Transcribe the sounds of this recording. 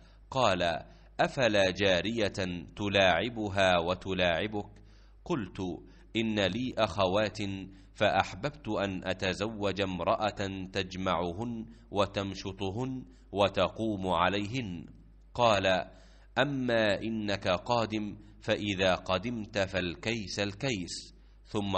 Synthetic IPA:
qɑːla | ʔafalaːd͡ʒaːɾɪjat̪ʊlaːʕɪbʊɦaːwat̪ʊlaːʕɪbʊk | qʊlt̪ | ʔɪnːaliːʔaxawaːt̪ | faʔaħbabt̪ʊʔanʔat̪azawːad͡ʒamɾˤɑʔat̪ad͡ʒmaʕʊɦʊn | wat̪amʃʊt̪ˤɦʊn | wat̪ɑquːmʕalajɦɪn | qɑːla | ʔamːaːʔɪnːakaqɑːd̪ɪm | faʔɪðaːqɑd̪ɪmt̪falkajsalkajs | θʊmː

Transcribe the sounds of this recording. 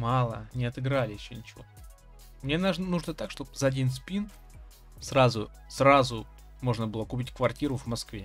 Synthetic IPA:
mɑlˠə̰nʲɪɐt̪ɨɡɾalʲɪjɪɕːonʲɪt͡ɕɪvo̰ | mnʲenaʐnuʐnət̪akʂt̪op̚zəɐdʲinspʲin | srazʊ | srazʊ | mo̞ʐnəbɨlˠəkʊpʲitʲkvɐrtʲiɾʊvmɐskvʲe

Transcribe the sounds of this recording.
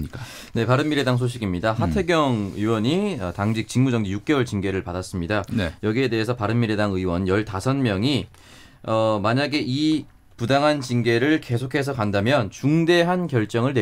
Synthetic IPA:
k | ne̞paɾɯmːiɾedaŋs̬ʰoɕ̬ʰiɡimɲidahatʰe̞ɡjʌŋɯiwʌɲiʌtaŋd͡ʑik̚t͡ɕ͈iŋmud͡ʑʌŋd͡ʑijuk͈̚ewʌɭt͡ɕinɡe̞ɾɯɭpadas͈ɯmɲidanjʌɡie̞de̞ɦesʰʌpaɾɯnmiɾedaŋɯiwʌnjʌɭtasʰʌnmjʌŋi | ʌmaɲaɡeʔi | pudaŋɦant͡ɕinɡe̞ɾɯɭke̞sʰokʰe̞sʰʌkandamjʌnt͡ɕuŋde̞ɦankjʌɭt͡ɕ͈ʌŋɯɭne

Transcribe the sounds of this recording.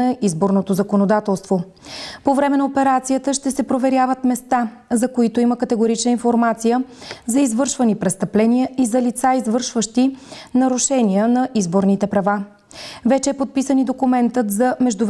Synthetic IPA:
ɐʔizboɾnot̪ozɐkonod̪at̪ɛlˠst̪vo | povɾɛmɛnɐopɛɾat̪sijət̪əʃt̪ɛsɛpɾovɛɾʲjavət̪mɛst̪a | zɐkoit̪oiməkət̪ɛɡoɾit͡ʃnəinfoɾmat̪sijəzɐizvɤɾʃvənipɾɛst̪ɐplɛniəizɐlit̪saizvɤɾʃvəʃt̪inɐɾʊʃɛniənɐʔizboɾnit̪ɛpɾɐva | vɛt͡ʃɛːpot̪̚pisənid̪okumɛnt̪ət̪zɐmɛʒd̪ʊv

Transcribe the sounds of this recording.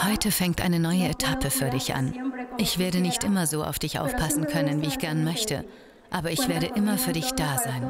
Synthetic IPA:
hɔʏtʰəfɛŋktʔa̰ɪnənɔʏəetʰapəfyːɐdɪçʔa̰nʔɪçv̥eːɐɾənɪçtʔɪmɐzoːʔa̰ʊfd̥ɪçʔa̰ʊfpʰasn̩kʰœnənviːɪçɡ̥ɛɐnmœçtʰə̰ | ʔaːbɐɪçv̥eːɐɾəʔɪmɐfyːɐdɪçd̥aːzaɪn

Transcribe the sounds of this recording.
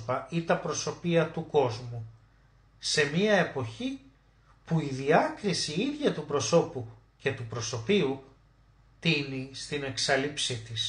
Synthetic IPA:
pɐit̪ɐpɾo̞so̞piɐt̪uko̞zmu | se̞miɐe̞po̞çi | puiðiɐkɾisiiðʝɐt̪upɾo̞so̞pu | ce̞t̪upɾo̞so̞piu | t̪inist̪ine̞ksɐlipsit̪is

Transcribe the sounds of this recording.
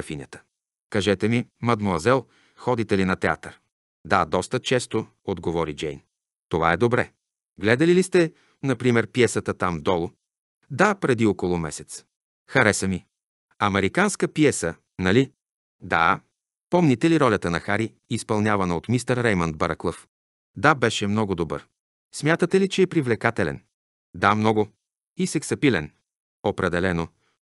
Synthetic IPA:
ɐfinʲə̰t̪ə̥ | kɐʒɛt̪ɛmimɐd̪moɐzɛlˠ | xɔd̪it̪ɛlinɐt̪ɛa̰t̪əɾ | d̪ad̪ɔst̪ət͡ʃɛst̪o | od̪ɡovɔɾid͡ʒɛjn | t̪ova̰ɛd̪obɾɛ̰ | ɡlɛd̪ɐlilist̪ɛ | nɐpɾimɛɾpiɛsət̪ət̪amd̪ɔlˠʊ | d̪apɾɛd̪iɔkolˠʊmɛsɛt̪s | xɐɾɛsəmi | ɐmɛɾikanskəpiɛsə | nɐli | d̪a̰ | pɔmnit̪ɛliɾɔlʲət̪ənɐxaɾi | ispɐlˠnʲjavɐnəot̪mist̪əɾɾɛjmənd̪baɾəklˠəf | d̪abɛʃɛmnɔɡʊd̪obɤ̰ɾ | smʲjat̪ət̪ɛlit͡ʃɛːpɾivlɛkat̪ɛlɛ̰n | d̪amnɔɡʊ | isɛksɐpilɛ̰n | opɾɛd̪ɛlɛno

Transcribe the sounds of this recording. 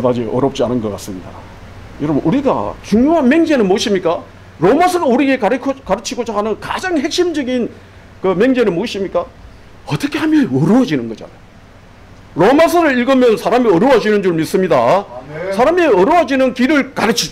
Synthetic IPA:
dad͡ʑiʔʌɾop̚t͡ɕ͈ianɯnɡʌk͈as͈ɯmɲida̰ | jʌɾʌbnʔuɾiɡa̰t͡ɕuŋɲjoɦanme̞ŋd͡ʑe̞nɯnmoɕimɲik͈a | ɾomasʰʌɾuɾiɡekʰkaɾɯt͡ɕʰiɡod͡ʑaɦanɯnkad͡ʑaŋhe̞k̚ɕ͈imd͡ʑʌɡin | kɯme̞ŋd͡ʑenɯnmoɕ͈imɲik͈a | ʌt͈ʌkʰe̞hamjʌnʌɾɯʌd͡ʑinɯnɡʌd͡ʑa̰najo | ɾomasʰɯɾɯɾiɭɡɯmjʌnsʰaɾamiʌɾɯwʌd͡ʑinɯnd͡ʑuɭmis͈ɯmɲidasʰaɾamiʌɾowʌd͡ʑinɯnkiɾɯɭkaɾɯt͡ɕʰi

